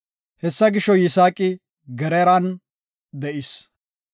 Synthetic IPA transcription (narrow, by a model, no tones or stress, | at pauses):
hɛsːɐɡɪʃɔjɪsaːkʼɪ | ɡɛɾɛɾɐn | d̪ɛʔɪs